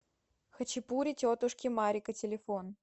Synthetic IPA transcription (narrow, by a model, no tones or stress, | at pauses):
xət͡ɕɪpuɾʲɪtʲot̪ʊʂkʲɪmaɾʲɪkətʲɪlʲɪfon